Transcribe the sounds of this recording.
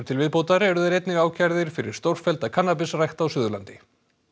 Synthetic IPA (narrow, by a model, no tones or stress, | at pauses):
ɾ̥t̪ʰɪlvɪðpowt̪aɾɛɾʏðaɾejt̪nɪɣaːwcʰaɾðɪɾ̥fɪɾɪ̰ɾ̥st̪owɾ̥fɛlt̪akʰanːapɪsrajxt̪awsʏːðʏla̰nt̪ɪ